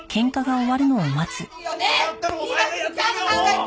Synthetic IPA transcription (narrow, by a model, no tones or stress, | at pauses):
kʰẽ̞ŋkaɡaoβaɾɯ̟no̞omat͡sɨ